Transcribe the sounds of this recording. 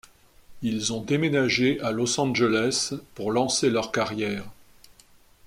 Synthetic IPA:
ilzɔ̃d̪emenaʒeʔalɔsɑ̃ʒelɛspuʁlɑ̃selœʁkaʁjɛːʁ

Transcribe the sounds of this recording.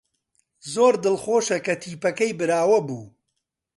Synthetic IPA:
zoːɾd̪ɨlχoːʃɐkɐt̪ʰiːpɐkɐjbɨɾaːwɐbuː

